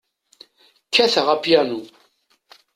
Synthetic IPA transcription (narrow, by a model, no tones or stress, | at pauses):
kʰːæθəʁapjænu